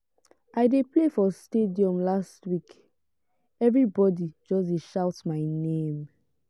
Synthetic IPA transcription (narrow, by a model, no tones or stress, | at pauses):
ʔaɪdeplefɔstediɔ̃mlastwik | ɛvɹibɔdid͡ʒɔs̬deʃawtmaɪnẽm